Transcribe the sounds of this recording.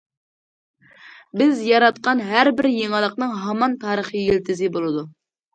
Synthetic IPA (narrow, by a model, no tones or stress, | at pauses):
bɪzjɑɾɑt̪̚qɑnɦæɾbɪɾjeŋɨlˠəqnɨŋɦɑmɑnt̪ʰɑːɾəχijelt̪ʰɪzɪbolˠɨd̪u